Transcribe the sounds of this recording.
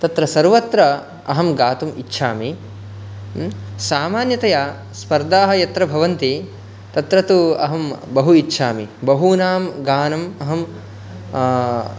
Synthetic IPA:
t̪ɐt̪ɾɐsɐɾʋɐt̪ɾɐ | ɐɦɐmɡaːt̪umitːʃʰaːmi | saːmaːnjɐt̪ɐjaː | spɐɾd̪aːɦɐ̆jɐt̪ɾɐbʱɐʋɐnt̪i | t̪ɐt̪ɾɐt̪uɐ̰ɦɐmbɐɦuitːʃʰaːmibɐɦunaːmɡaːnɐmɐɦɐm

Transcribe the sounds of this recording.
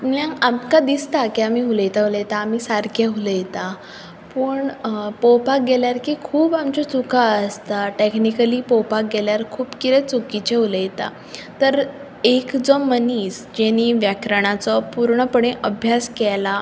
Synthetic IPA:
mãamkad̪ist̪akiamiːɦuləjt̪aɦuləjt̪aːmiːsaɾkjaɦuləjt̪a | pəɳpɔwpak̚ɡɛljaɾkiːkʰuːbamt͡ɕɔt͡sukʰaəst̪aʈeknikəliːpɔwpak̚ɡɛljaɾkʰuːpkiɾɛt͡sukit͡ɕeɦuləjt̪a̰ | t̪əɾ | ekd͡zɔməniːsd͡ʑeniːʋjakɾəɳ̃at͡sɔpuɾɳəpəɳ̃ẽʔəbʱjaskɛla

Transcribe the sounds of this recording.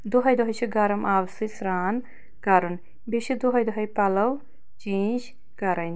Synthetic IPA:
d̪uɦɐjd̪uɦɐjt͡ʃʰiɡɐɾɐmʔaːwsisɾaːn | kɐɾun | biʃid̪uɦɐjd̪uɦɐjpɐlɐw | t͡ʃeːɲd͡ʒ | kɐɾɐn

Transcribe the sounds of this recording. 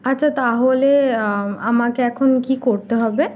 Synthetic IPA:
atːɕʰat̪aɦole | amakeɛkʰonkikoɾt̪eɦɔbe

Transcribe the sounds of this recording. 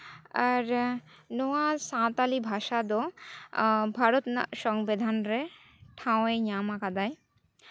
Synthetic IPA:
aɾ | nowasãt̪alibʱaʃad̪o | bʱaɾot̪nʃɔŋbed̪ʱanɾe | ʈʰãw̃eɲamakad̪aj

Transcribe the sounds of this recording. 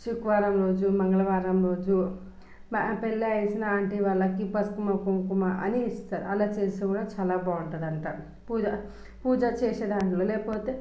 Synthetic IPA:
ʃukʋaːɾɐmɾo̞ːd͡ʒumɐŋɡɐɭɐʋaːɾɐmɾo̞ːd͡ʒu | pelːeɐjsinɐaːɳʈiʋɐɭːɐkipɐskumɐkoŋkumɐʔɐ̰niːst̪aːɾṵɐlaːt͡ʃeːsekuːɽaːt͡ʃaːlaːbaːuɳʈɐd̪ɐɳʈaːɾu | puːd͡ʒɐ | puːd͡ʒɐt͡ʃeːseːd̪aːɳʈloːlɛːpoːt̪eː

